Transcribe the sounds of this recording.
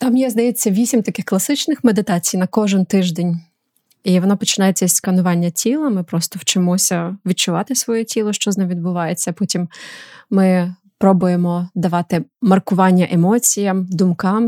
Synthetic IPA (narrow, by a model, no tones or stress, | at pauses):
t̪ɑmjɛzd̪ɐjet͡sʲːɐʋʲisʲimt̪ɐkɪxklˠɐsɪt͡ʃnɪxmed̪ɪt̪ɑt͡sʲijnɐkɔʒɪnt̪ɪʒd̪enʲ | iʋɔnpɔt͡ʃɪnɑjet͡sʲːɐsʲsʲkɐnʊʋɑnʲːɐtʲilˠɐmɪpɾɔst̪ɔwt͡ʃɪmɔsʲɐʋʲid̪̚t͡ʃʊʋɑt̪ɪsʋɔjɛtʲilˠɔʃt͡ʃɔznɛmʋʲid̪̚bʊʋɑjet͡sʲːɐpɔtʲimː | ɪ | pɾɔbʊjemɔd̪ɐʋɑt̪ɪmɐrkʊʋɑnʲːɐʔemɔt͡sʲijɐmd̪ʊmkɑm